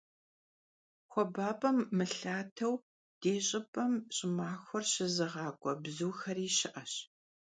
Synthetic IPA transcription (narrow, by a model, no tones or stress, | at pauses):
xʷɔbaːpʼɐmːɨɬaːtʰɐw | d̥eːɕʼɪpʼɐmɕʼɪmaːxʷɔrɕɪzɨʁɑːkʷʼɔbzuːxɐriːɕɪʔɐɕ